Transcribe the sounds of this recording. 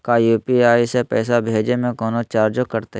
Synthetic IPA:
kajuːpiaːisepɛːsabʱeːd͡ʒemẽkɔːnot͡ʃaːɾd͡ʒokɐɾt̪a

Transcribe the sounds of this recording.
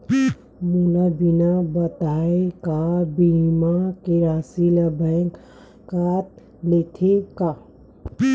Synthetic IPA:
mulabinabət̪aekabimakeɾasiləbaŋk | kat̪̚ | let̪ʰeka

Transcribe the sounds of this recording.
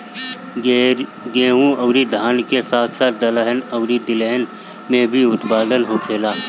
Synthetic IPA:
ɡeːɦũɐːɾid̪ʱaːnkesaːt̪ʰsaːt̪̚d̪ɐləɦənɐʊɾid̪ɪleɦən | mẽbʱiʊt̪baːd̪ənɦokʰeːlaː

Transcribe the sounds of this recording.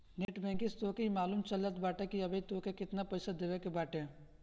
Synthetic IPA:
neːʈbɛ̃ːŋkist̪oːkeimaːluːmt͡ʃɐlət̪baːʈekiɐbeit̪oːkekɪt̪napɐɪsad̪eʋekebaːʈẽ

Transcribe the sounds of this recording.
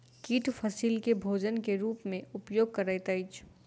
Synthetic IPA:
kiːʈʰfʰɐsiːlkebʱoːd͡ʒənkeɾuːpmẽʊpjoːɡ̚kɐɾaːjt̪aɪt͡ʃ

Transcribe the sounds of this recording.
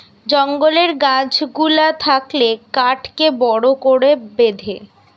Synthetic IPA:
d͡ʑɔŋɡoleɾɡãd͡ʑɡulat̪ʰaklekaʈkebɔɽokoɽebed̪ʱe

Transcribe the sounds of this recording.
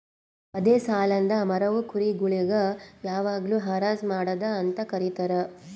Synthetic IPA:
ɐd̪eːsaːlɐnd̪ɐmɐɾɐʋukuɾiɡuɭiɡɐjaːʋaːɡɐluɦaːɾaːzmaːɽɐd̪ɐːnt̪ɐkɐɾit̪ɐɾe

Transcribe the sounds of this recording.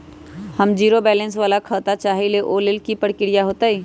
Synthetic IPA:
hɐmd͡ʒiːɾobɛːlə̃ns̬ʋaːlakʰəːt̪at͡ʃaːɦeleʔoːlɪlkipəɽkɪɽijaɦoːt̪aɦɛː

